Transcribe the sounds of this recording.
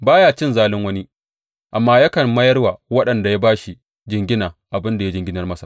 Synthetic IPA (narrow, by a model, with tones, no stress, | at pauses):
baː˦jaː˦t͡ʃɪ˦nzaː˦lɪ˦ŋwɐ˦ni˦ | ʔa˨mːaː˦jɐ˦kɐ˨mɐ˦jɐ˦rwaː˨wɐ˦ɗɐ˨nda˨ja˦baː˦ʃi˨ | d͡ʒɪ˨ŋɡʲɪ˦naː˨ʔa˨bɪ˦nda˨ja˦d͡ʒɪ˨˦ŋɡʲɪ˦nɐ˨rmɐ˦sḁ˨